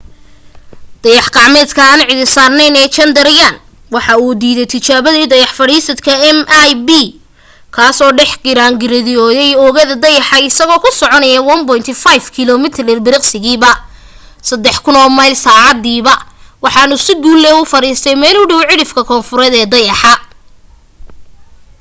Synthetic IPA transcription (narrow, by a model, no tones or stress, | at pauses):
d̪̥ɐjɑħqɑːʕmɛːd̪kʰɐaːnʕɪðɪsaːrnɛjnɛːt͡ʃɐnd̪ɐɾjan | wɑħɑuːd̪iːðɛjt̪ʰɪt͡ʃaːβɐðiːd̪ɐjɑħfɐɽiːsɐd̪kʰɐɛmajbi | kʰaːsɔːɖɛħɡɪɾaːŋɡɪɾɐðɪjɔːjɛjɔːɣɐðɐd̪ɐjɑħɑɪsɐɣɔːkʰʊsɔʕɔnɐjɐwɐnbɔjnt̪ʰɪfajfkʰɪlɔːmɪt̪ʰrɛrbɪɾɪqsɪɣiːβɐ | sɐd̪ːɛħkʰʊnɔːmɐjlsaːʕɑd̪iːβɐwɑħɑnʊsɪɡuːlːɛʊfɐɾiːst̪ʰɛjmɛːlʊɖʊwʕɪɽɪfkʰɐkʰɔːnfʊɾɛðɛːd̪ɐjɑħɑ